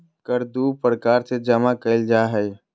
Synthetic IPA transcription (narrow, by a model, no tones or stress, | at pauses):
kəɾd̪uːpɾəkaːɾsed͡ʒɐmakəld͡ʒaːɦɛj